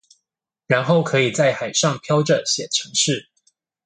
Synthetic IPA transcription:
ɻa˧˦nxo˥˩ʊkʰɤ˧˥i˨˩t͡sa˥˩ɪxa˨˩ɪʂɑ˥˨ŋpʰjɑ˥ʊʈ͡ʂə˨ɕjɛ˨˩ʈ͡ʂʰɤ˧˥ŋʂɻ̩˥˨

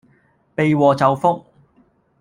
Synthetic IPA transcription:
pe˨jwɔː˨t͡sɐ˨wfʊ˥k̚

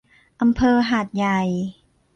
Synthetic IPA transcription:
ʔa˧mpʰɤː˧ɦaː˨˩t̪̚ja˨˩j

